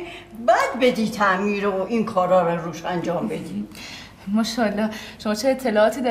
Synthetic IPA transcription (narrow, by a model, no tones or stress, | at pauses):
bæd̪bed̪iːt̪ʰæʔmiːɾooʔinkʰɒːɾɒːɾaɾuːʃænd͡ʒɒːmbed̪i | mɒʃɒːlːɒʃomɒːt͡ʃʰeet̪ʰːe̞lɒːɒːt̪ʰiːd̪æ